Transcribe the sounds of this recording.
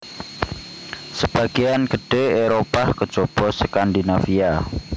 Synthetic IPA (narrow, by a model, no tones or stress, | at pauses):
səb̥a̤ɡ̥ianɡəɖ̥eeɾopakəd̥ʒ̥ɔ̤b̥ɔsəkand̪inafia